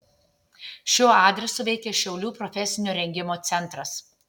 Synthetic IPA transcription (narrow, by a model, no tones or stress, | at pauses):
ʃʲoːɑːd̪ʲɾʲɛsoʋʲɛɪkʲeːʃʲɛʊlʲuːpɾɔfʲɛsʲɪnʲuːɾʲɛŋʲɡʲɪmoːt̪sʲɛnˑt̪ɾɐs